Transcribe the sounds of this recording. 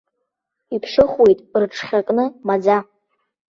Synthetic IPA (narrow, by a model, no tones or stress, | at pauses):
ipʰʂɨχwe̞jtʼrʈ͡ʂʰχʲakʼnɨmad͡za